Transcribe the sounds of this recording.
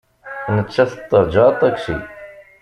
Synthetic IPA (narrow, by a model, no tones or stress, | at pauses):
nət͡ʃːæθət̪ˤːəɾˤd͡ʒɑt̪ˤːækʃḭ